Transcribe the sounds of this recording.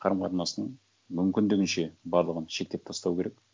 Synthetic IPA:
qʰɑɾəmqʰɑt̪ənɑsənəɴ | mʏmkʲɪnd̪ɪɡʲɪnʃe̞bɑɾlˠəʁənʃe̞k̚t̪ep̚t̪ʰɑst̪ɑwkʲʰe̞ɾek̚

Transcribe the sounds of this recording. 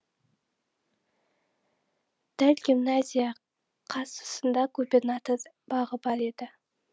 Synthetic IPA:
d̪̥ælɡʲimnazʲijɑ | qʰɑsə̥sənd̪ɑkʰɵbʲenat̪əɾ | b̥ɑʁəbɑɾe̞d̪ɪ

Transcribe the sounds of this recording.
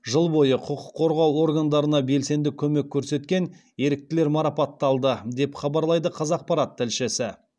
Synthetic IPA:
ʒəlˠbo̞jəqʰʊqʰʊqʰːo̞ɾʁɑwo̞ɾɡand̪ɑɾənɑbe̞lse̞nd̪ɪkʲʰɵme̞kʲʰːɵɾse̞t̪kʲe̞n | e̞ɾɪk̚t̪ɪle̞ɾmɑɾɑpɑt̪ːɑlˠd̪əd̪e̞pχɑbɑɾlˠɑjd̪əqʰɑzɑq̚pɑɾɑt̪ʰːɪlʃɪsɪ

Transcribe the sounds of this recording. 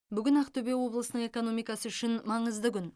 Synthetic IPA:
bʏɡʲɪnɑqt̪ʰɵbe̞wo̞blˠəsənəɴe̞ko̞no̞mijkɑsəʏʃɪnmɑɴəzd̪əkʲʏn

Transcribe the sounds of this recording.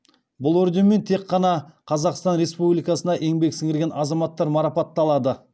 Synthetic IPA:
bʊlˠɵɾd̪e̞mːe̞nt̪ʰe̞qːɑnɑqʰɑzɑqst̪ɑnɾe̞spublijkɑsənɑʔe̞ŋbe̞ksɪŋɪɾɡʲe̞nɑzɑmɑt̪ːɑɾmɑɾɑpɑt̪ːɑlˠɑd̪ə

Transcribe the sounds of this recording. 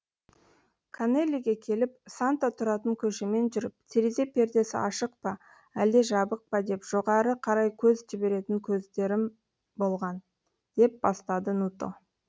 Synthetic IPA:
kʰane̞lʲiɡʲe̞kʲʰe̞lɪp̚sant̪at̪ʰʊɾɑt̪əŋkʲʰɵʃeme̞nʒʏɾɪp̚t̪ʰeɾeze̞pʰe̞ɾd̪e̞sɪ̰ʔɑʃəq̚pɑ | æld̪e̞ʒɑbəq̚pɑd̪e̞pʒ̥o̞ʁɑɾəqʰɑɾɑjkʲʰɵzʒɪbe̞ɾe̞t̪ɪŋkʲʰɵzd̪e̞ɾɪm | bo̞lˠʁɑn | d̪̥e̞p̚bɑst̪ɑd̪ənut̪o̞̰

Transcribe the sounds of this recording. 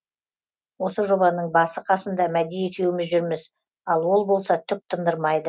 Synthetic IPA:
wo̞səʒo̞bɑnəɴbɑsəqʰɑsənd̪ɑmæd̪ejet̪ʲʰewɪmɪzʒʏɾmɪz | ɑlˠwo̞lˠbo̞lˠsɑt̪ʰʏk̚t̪ʰənd̪əɾmɑjd̪ə

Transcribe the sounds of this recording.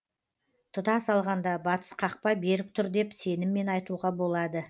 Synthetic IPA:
t̪ʰʊt̪ɑsɑlˠʁɑnd̪ɑbɑt̪ə̥sqʰɑq̚pɑjbe̞ɾɪk̚t̪ʰʊɾd̪e̞pse̞nɪmːe̞nɑjt̪uʁɑbo̞lˠɑd̪ə

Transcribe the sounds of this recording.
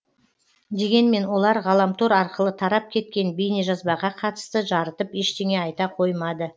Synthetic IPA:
d̪e̞ɡʲe̞nme̞nwo̞lˠɑɾʁɑlˠɑmt̪ʰoɾɑɾqəlˠət̪ʰɑɾɑp̚kʲʰe̞t̪kʲe̞nbejneʒɑzbɑʁɑqʰɑt̪ə̥st̪əʒɑɾət̪əpeʃt̪e̞ŋe̞ɑjt̪ɑqʰo̞jmɑd̪ə

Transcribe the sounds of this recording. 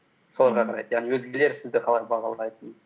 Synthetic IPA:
so̞lˠɑɾʁɑqʰɑɾɑ̰jd̪əjɑʁnijwɵzɡʲele̞ɾsɪzd̪ɪqʰɑlˠɑjbɑʁɑlˠɑjt̪ən

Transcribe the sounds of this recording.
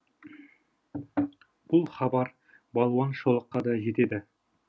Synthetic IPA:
b̥ʊlˠχɑbɑɾ | bɑlˠwɑnʃolˠəqːɑd̪ɑʒe̞t̪e̞d̪ɪ

